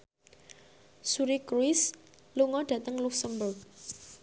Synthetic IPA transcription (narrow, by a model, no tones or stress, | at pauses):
suɾikɾuɪs | luŋɔd̥ä̤t̪əŋluksəmbʊrɡ̚